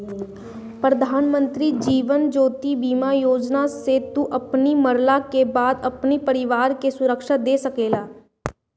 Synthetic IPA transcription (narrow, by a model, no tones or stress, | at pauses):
pɾəd̪ʱaːnmə̃nt̪ɾid͡ʒiːʋənd͡ʒoːt̪ibiːmajoːd͡ʒnaset̪uʔɐpniməɾlakebaːd̪ɐpnipəɾɪʋaːɾkesʊɾəkʃad̪eːsəkeːlaː